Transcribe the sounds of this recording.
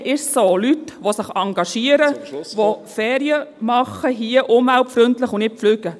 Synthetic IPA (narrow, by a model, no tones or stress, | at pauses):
ʔɪʃsoːlytʋosəχɑŋɡɑʃiəɾəʋofɛːɾiəmɑχəɦiəʔʊmhælpfɾʏntləχʊnnɪflyːɡə